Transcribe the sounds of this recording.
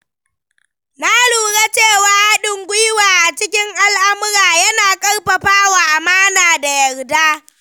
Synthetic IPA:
na˦ɽuː˨ɽa˦t͡ʃeː˦˨waː˨˦ha˦ɗɪ˨ŋɡʷʊ˦jwaː˨ʔa˨t͡ʃɪ˦kʲɪ˦ŋʔa˦lʔa˦mʊ˦ɽaː˨jɐ˦naː˨kʼɐ˦rɸɐ˨ɸaː˦wa˨ʔa˨maː˦naː˨da˨jɐ˨rdaː˦

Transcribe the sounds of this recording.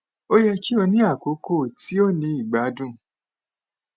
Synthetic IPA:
o˦jɛ˧ki˦ɔ˧nĩ˦a˦˨ko˨˦kʰo˦˨ti˦o˦˨nĩ˧˦i˦˨ɡ͡ba˨˦dũ˦˨

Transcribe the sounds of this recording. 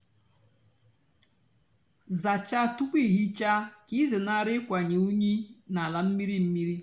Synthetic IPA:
za˨t͡ʃa˦tu˦kʷi˦˨ɦi˦t͡ʃa˦ki˦zɪ˨na˨ɾɪ˦kʷa˨ɲe˨u˦ɲi˦na˨la˨m̩˦mi˦ɾi˦m̩˦mi˦ɾi˦

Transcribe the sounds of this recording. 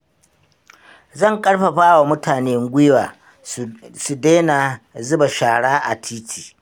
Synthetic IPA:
zɐ˦˨ŋkʼɐ˦ɽɸa˨ɸaː˦wa˨mʊ˦tʰaː˨neː˦ŋ˦ɡʷɪ˦waː˨ | su˨deː˦na˨ | zʊ˦ba˨ʃaː˨ɽaː˦ʔa̰˨tʰiː˦tʰi̥ː˨

